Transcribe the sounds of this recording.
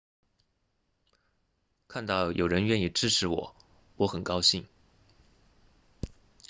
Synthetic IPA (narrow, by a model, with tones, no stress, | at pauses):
kʰa˥˧nt̪ɑ˥˩ʊjʔo˨˩ʊɻə˧˥nɥɛ˥˧ni˥˩ʈ͡ʂɻ̩˥ʈ͡ʂʰɻ̩˧˥wɔ˨˩˦ | wɔ˧˥xə˨˩nkɑ˥ʊɕi˥˩ŋ